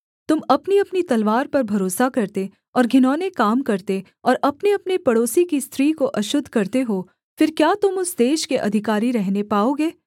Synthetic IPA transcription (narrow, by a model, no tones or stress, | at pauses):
t̪ʊmɐpniɐpnit̪ɐlʋaːɾpɐɾbʱɐɾoːsakɐɾt̪e | ɔːɾɡʱɪnɔːnekaːmkɐɾt̪e | ɔːɾʔɐpneɐpnepɐɽoːsikist̪ʰɾiːkoʔɐʃʊd̪ʱkɐɾt̪eɦoː | fɪɾkjaːt̪ʊmʊsd̪eːʃkeʔɐ̰d̪ʱɪkaːɾiɾɛɦnepaːoːɡeː